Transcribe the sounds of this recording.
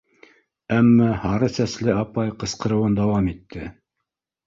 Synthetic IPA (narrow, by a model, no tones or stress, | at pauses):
æmːæhɑɾɤsæslɘɑpɑjqɤ̆sqɤ̆ɾɤ̆wɤnd̪ɑwɑmit̪ʰːɘ